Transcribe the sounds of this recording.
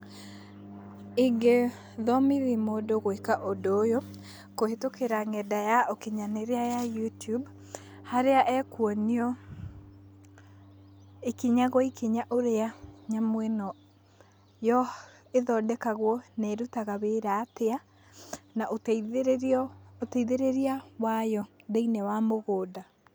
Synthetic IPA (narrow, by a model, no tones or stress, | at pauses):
iŋɡe | ðɔmiðimodoɣoekaʔodoːjo | kohetokeɾaŋɛdajaokeɲaneɾeajajutub | haɾeaʔɛkwɔniɔ | ekiɲaɣɔikeɲaʔoɾeaɲamwɛnɔ | jɔ | eðɔːdɛkaɣwɔnɛɾutaɣaβeɾatea | naʔot | otɛiðeɾeɾiawajɔðeinɛwamoɣoːda